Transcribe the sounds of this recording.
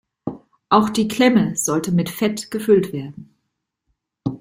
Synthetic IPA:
ʔaʊxd̥iːkʰl̥ɛməz̥ɔltəmɪtfɛtɡ̥əfʏltv̥eːɐdn̩

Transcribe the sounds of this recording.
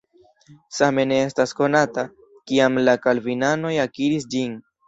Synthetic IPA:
same̞ne̞e̞stasko̞nata | kiamlakalvinano̞jakiɾisd͡ʒin

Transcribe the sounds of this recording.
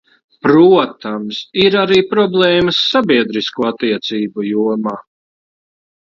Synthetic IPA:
pɾuɔt̪amsiɾaɾiːpɾɔblˠɛːməsːabiɛd̪ɾiskuːat̪ːiɛt̪siːbujuɔmaː

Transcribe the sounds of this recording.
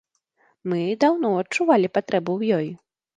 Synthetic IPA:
mɨd̪awnɔɐt͡ʂuvalʲipat̪ɾɛbuwjɔj

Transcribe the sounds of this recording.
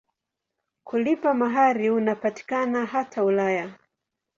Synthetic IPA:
kʰulipamaɦaɾiunapati̥kanaɦatʰaulaja

